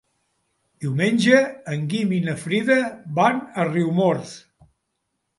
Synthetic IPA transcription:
d̪̥iwmenʲd͡ʒəːŋɡiminəfɾiðəβanəriwmoɾθ

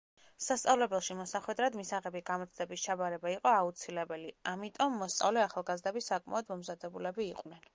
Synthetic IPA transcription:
sast̪sʼavlɛbɛlˠʃimɔsaχwɛd̪ɾad̪misaʁɛbiɡamɔt̪sʰd̪ɛbist͡ʃʰabaɾɛbaiqʼɔaut̪sʰilɛbɛliamit̪ʼɔmːɔst̪sʼa̰vlɛaχalˠɡazd̪ɛbisakʼma̰ɔd̪mɔmzad̪ɛbulɛbiːqʼnɛn

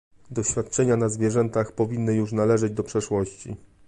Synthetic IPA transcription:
d̪ɔɕfʲjat̪̚t͡ʂɛɲanazvʲjɛʐɛnt̪axpɔvʲinːɘjuʂnalɛʐɛd͡ʑd̪ɔpʂɛʂwɔɕt͡ɕḭ

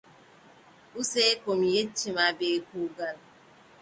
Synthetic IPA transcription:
useekomjet͡ʃːimabekuɡan

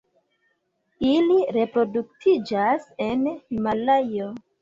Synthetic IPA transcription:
iliɾe̞pɾo̞duk̚tʰid͡ʒase̞nimalajo

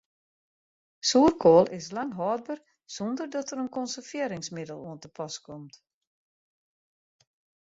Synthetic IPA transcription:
suərkʰoːlˠɪslaŋɦɔːd̚bər | sondərdɔtəɾənkɔnsərfɪəɾɪŋsmɪdəlˠuəntəpʰɔskʰɔmt

